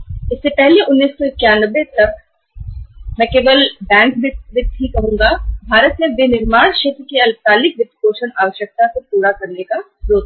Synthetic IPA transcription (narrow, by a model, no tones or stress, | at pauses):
ɪsːepɛɦleʔʊnːiːsːɔɪkːjaːnəʋːet̪ɐk̚ | mɛ̃ːkeːʋəlbɛ̃ːŋkbɪʋɪt̪ɦikːɐɦũːŋɡabʱaːɾət̪mẽʋenɪɾmaːɽ̃ʃeːt̪ɾəkeɐlsaːlɪk̚ʋɪp̪ɾkoːʃənaːʋəʃjək̚t̪asepuːɾakɐɾneka | ɾoːt̪